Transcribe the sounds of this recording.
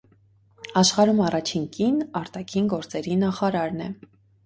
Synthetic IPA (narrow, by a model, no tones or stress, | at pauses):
ɑʃχɑɾumɑrɑt͡ʃʰiŋkinɑɾt̪ɑkʰinɡɔɾt͡sɛɾinɑχɑɾɑɾnɛ